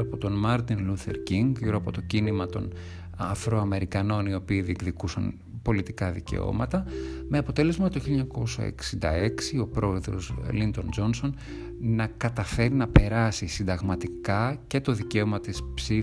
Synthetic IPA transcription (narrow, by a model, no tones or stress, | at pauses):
ɐpot̪o̞nmɐɾt̪inluθe̞̰ɾciŋɡʝiɾoɐpo̞t̪o̞cinimɐt̪o̞̰n | ɐfɾo̞ɐme̞ɾikɐno̞nio̞piːðiɡðikusɐ̰n | po̞lit̪ikɐðice̞̰o̞̰mɐt̪ɐme̞ɐpo̞t̪e̞le̞zmɐt̪oçileɲɐko̞sɐ̰ḛksind̪ɐ̰e̞ksio̞pɾo̞e̞ðɾo̞̰slint̪o̞nd͡ʒo̞nso̞n | nɐkɐt̪ɐfe̞ɾinɐpe̞ɾɐsisind̪ɐɣmɐt̪ikɐce̞t̪o̞ðice̞o̞mɐt̪ispsi